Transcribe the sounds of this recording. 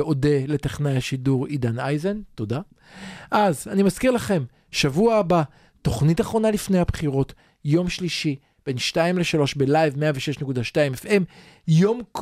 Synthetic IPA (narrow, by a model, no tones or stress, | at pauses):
o̞de̞le̞teχnajhaʃiduʁidanajzento̞da | ʔazanimaskiʁlaχe̞m | ʃavuaːba | to̞χnitaχʁo̞nalifnejhabχiʁo̞t | jo̞mʃliʃi | b̥e̞nʃtaimle̞ʃalo̞ʃbelajvmeaveʃeʃnekudaʃtaimefe̞m | jo̞mk